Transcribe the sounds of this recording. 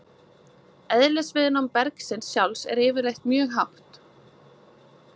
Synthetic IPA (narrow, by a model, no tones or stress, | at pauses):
ɛðlɛsvɪðɪnɔmpɛɾksɪnsjawlsɛ̰ɾɪːvɪɾlejht̪mjœːɣɦawht̪